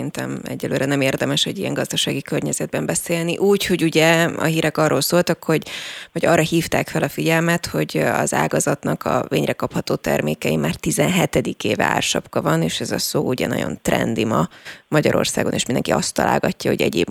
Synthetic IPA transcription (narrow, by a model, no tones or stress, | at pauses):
int̪ɛmɛ̰ɟːɛløːɾɛnɛmeːrd̪ɛmɛʃho̞ɟijɛŋɡɒzd̪ɒʃaːɡikørɲɛzɛd̪̚bɛmbɛseːlniʔuːcho̞ɟuɟɛɒ̰ɦiːɾɛkɒrːoːlsoːlt̪ɒkho̞ɟvɒɟɒrːɒhiːft̪aːkfɛlɒfiɟɛlmɛt̪ho̞ɟɒ̰za̰ːɡɒzɒt̪nɒkɒveːɲrɛkɒphɒt̪oːt̪ɛrmeːkɛimaːrt̪izɛnɦɛt̪ɛd̪ikeːvɛa̰ːrʃɒpkɒvɒneːʃɛzɒsoːuɟɛ̰nɒ̰ɟo̰nt̪rɛ̰nd̪imɒmɒɟɒɾo̞̰rsaːɡo̞neːʃmind̪ɛŋkiɒst̪ːɒla̰ːlɡɒcːɒho̞̰ɟɛɟḛːb